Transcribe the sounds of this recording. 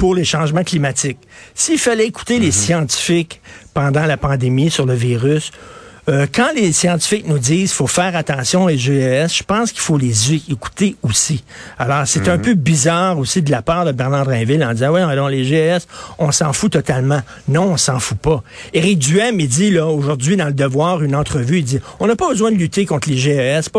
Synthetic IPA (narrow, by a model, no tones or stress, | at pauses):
pʊʁleʃɑ̃ːʒmɑ̃klimat̪ɪksiilfalɛeku̥t̪elesjɑ̃t̪i̥fɪkpɑ̃d̪ɑ̃lapɑ̃d̪emisyʁləviʁys | økɑ̃lesjɑ̃t̪i̥fɪknud͡ziːzfofɛːʁat̪ɑ̃sjɔ̃eʒeɛsʒ̥əpɑ̃skʲi̥folezeːku̥t̪eosi | alɔːʁset̪œ̃pøbizaːʁosid̪əlapaːʁd̪əbɛʁnɑ̃d̪ʁɛ̃vɪlɑ̃d̪izãwĩlɔ̃leʒeøɛsɔ̃sɑ̃fut̪ɔt̪almɑ̃ | nɔ̃ɔ̃sɑ̃fupʌeʁɪk̚d̪yɛmid͡z̪ilʌoʒʊʁdd͡z̪ɥid̪ɑ̃ləd̪əvwɑːʁynɑ̃t̪ʁəvyid͡ziɔ̃napɔbəzwɛ̃d̪əlyt̪ekɔ̃t̪ʰleʒeøɛsp